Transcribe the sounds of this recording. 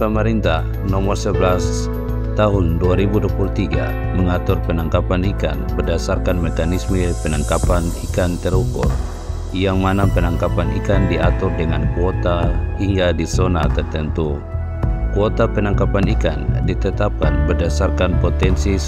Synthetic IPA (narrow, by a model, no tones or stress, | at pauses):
pəməɾint̪ah | nɔmɔrsəblas | t̪aɦʊnduaɾibuduapulut̪iɡa̰ | məŋat̪ʊrpənaŋkapanika̰nbərdasarkanmɛkanisməpənaŋkapanikant̪ɛɾukṵr | jaŋmanapənaŋkapanḭkandiat̪ʊrdəŋankuɔt̪aiŋɡadisɔnat̪ərt̪ənt̪u | kuɔt̪apənaŋkapanika̰ndit̪ət̪ap̚kanbərdasarkanpɔt̪ɛnsi